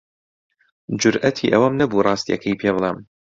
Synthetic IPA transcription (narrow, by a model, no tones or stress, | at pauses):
d͡ʒʊɾʔɐt̪ʰḭːʔɐwɐmnɐbuːrˤɑːst̪ijɐ̰kʰɐjpʰeːbɨlˠeːm